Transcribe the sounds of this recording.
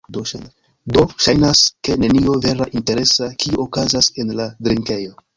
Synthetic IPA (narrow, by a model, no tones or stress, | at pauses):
do | do̞ʃajnaske̞ne̞nio̞ve̞ɾaʔinte̞ɾe̞sakʰiokazase̞nladɾiŋke̞jo̞